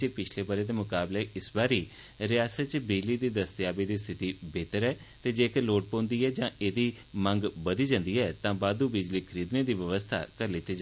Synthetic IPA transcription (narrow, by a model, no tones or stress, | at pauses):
t͡ʃepɪt͡ʃʰleːbəɾeːd̪eːmʊkaːbleːɪsbaːɾiː | ɾɪjaːsət̪t͡ʃbɪd͡ʒliːd̪iːd̪əst̪ɪjaːbiːd̪iːst̪ʰɪt̪iːbeːt̪əɾɛː | t̪eːd͡ʒeːkəɾloːʈ̚põːnd̪iːɦɛːd͡ʒãːeːd̪iːmə̃ŋɡbəd̪iːd͡ʒãːnd̪iːɛːt̪ãːbaːd̪uːbɪd͡ʒliːkʰəɾiːd̪neːd̪iːʋəʋəst̪ʰa̰ːkəɾlɪt̪ːeːd͡ʒa